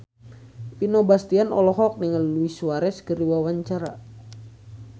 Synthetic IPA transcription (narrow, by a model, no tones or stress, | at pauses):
pinobast̪ianɔlɔɦɔk̚niŋalluisuwaɾɛskəɾiwawaɲt͡ʃaɾa